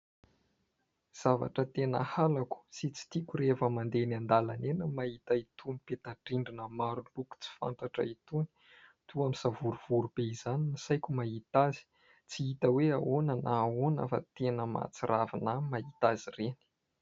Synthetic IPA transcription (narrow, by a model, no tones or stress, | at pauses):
z̥ava̰ʈ͡ʂət̪enə̰halaku̥sit͡si̥t̪ikʲuɾefəmand̪enand̪alanenəmait̪ait̪unipet̪aʈ͡ʂiɳɖ͡ʐinəmaɾuluku̥t͡si̥fa̰nt̪aʈ͡ʂə̰it̪uni̥ | t̪uamisavuɾuv̥uɾubeizaninisajkʲumaɦit̪azi̥ | t͡siit̪əweaonanaːona̰fa̰t̪enəma̰t͡siɾavinamait̪azireni̥